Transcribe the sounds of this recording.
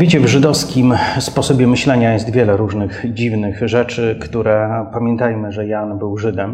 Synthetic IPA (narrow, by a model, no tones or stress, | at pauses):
vʲet͡ɕɛvʐɘd̪ɔfskʲimspɔsɔbʲjɛmɘɕlɛɲajɛst̪vʲjɛlɛɾuʐnɘɣd͡ʑivnɘxʐɛt͡ʂɘkt̪uɾɛpamʲjɛnt̪ajmɘʐɛjanbɘwʐɘd̪ɛm